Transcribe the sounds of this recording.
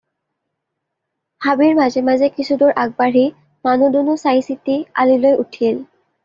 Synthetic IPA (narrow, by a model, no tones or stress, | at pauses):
habiɹmazɛmazɛkisʰudʊɹʔaɡ̚baɹi | manudunʊsajsitia̰lilojʔutʰil